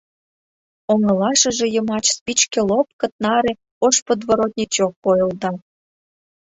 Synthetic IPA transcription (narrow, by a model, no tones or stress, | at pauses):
oŋɤ̆lɑʃə̆ʒĕjə̆mɑt͡ɕspʲit͡ɕkelop̚kə̆t̪̚nɑɾe | oʃpod̪voɾot̪̚ʲnʲit͡ɕokːojɤld̪ɑ